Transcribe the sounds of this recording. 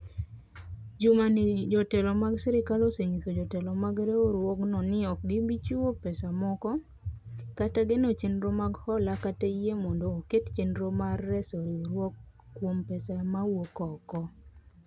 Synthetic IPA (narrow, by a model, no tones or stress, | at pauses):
d͡ʒumanid͡ʒɔtɛlɔmaɡsɛɾɪkaloseŋisod͡ʒɔtɛlɔmaɡɾeoɾwɔknɔnɪɔk̚ɡɪbit͡ʃuwopɛsamɔkɔ | kataɡenot͡ʃenɾomaɡhɔlakateijemɔndoːkett͡ʃenɾomarːɛsoɾiɾwɔkːwompɛsamawokɔkɔ